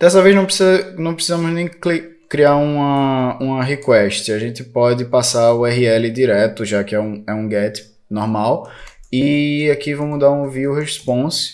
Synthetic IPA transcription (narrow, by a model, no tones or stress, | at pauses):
d̪̥ɛsɐvejznɐ̃w̃pɾesiznɐ̃w̃pɾesizɐ̃mʊznẽj̃kli | kɾiaɾũmɐũmɐɦekwɛʃt̪ɪaʒẽnt̪ɪpɔdɪpasaɾʊɛɦiɛlɪd̪iɾɛt̪ʊʒakɪɛũɛũɡɛt̪ɪ̥ | nɔɾmawiakivɐ̃w̃mʊd̪aɾũviʊɦespõs